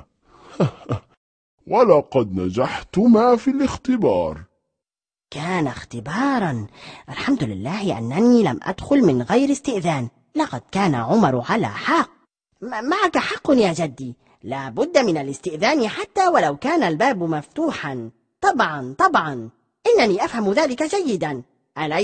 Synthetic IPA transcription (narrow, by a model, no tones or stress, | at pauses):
ha | walɑqɑd̪nad͡ʒaħt̪ʊmaːfilɪxt̪ɪbɑ̰ːɾˤ | kaːnaxt̪ɪbɑːɾˤɑnʔalħamd̪ʊlɪ̰lːaːhɪʔa̰nːaniːla̰mʔa̰d̪xʊlmɪnɣajɾɪst̪ɪʔðaːn | lɑqɑd̪̥̚kaːna̰ʕʊmɑɾˤʕala̰ːħɑq̚ː | maʕakaħɑqːʊnjaːd͡ʒad̪ːiː | laːbʊd̪ːamɪnalɪst̪ɪʔðaːnɪħat̪ːaːwalawkaːnalbaːbmaft̪uːħan | t̪ˤɑbʕɑnt̪ˤɑbʕɑn | ʔɪnːaniːʔafhamʊðaːlɪkad͡ʒajːɪd̪an | ʔala